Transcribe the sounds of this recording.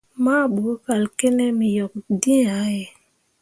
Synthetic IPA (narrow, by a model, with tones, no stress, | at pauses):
ma˦˨ɓu˨˦ka˨lke˦ne˦mi˨jɔ˨k̚di˦a˨˦je˨